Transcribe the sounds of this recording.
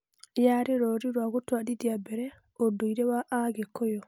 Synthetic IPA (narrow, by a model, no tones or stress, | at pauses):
jaɾeɾoɾiɾwaɣotwaɗidiabɛɾɛ | odoiɾewaʔaɡekːɔjo